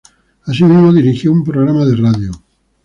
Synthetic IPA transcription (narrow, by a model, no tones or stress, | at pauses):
as̬imizmoðiɾixjoumpɾoɣ̞ɾamaðeraðjo